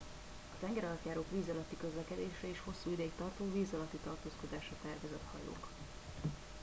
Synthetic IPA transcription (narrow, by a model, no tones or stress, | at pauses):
ɒt̪ɛŋɡɛɾɒlt̪jaːɾoːkʋiːzɒlɒt̪ːikø̞zlɛkɛd̪eːʃɛeːʃho̞sːuːid̪ɛikt̪ɒrt̪oːviːzɒlɒt̪ːit̪ɒrt̪oːsko̞d̪aːʃɒt̪ɛrvɛzɛt̪hɒ̰jo̰ːk